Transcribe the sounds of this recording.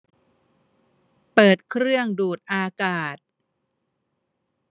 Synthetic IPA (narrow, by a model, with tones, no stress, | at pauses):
pɤː˨˩t̪̚kʰɾɯ˥˩əŋduː˨˩t̪̚ʔaː˧kaː˨˩t̪̚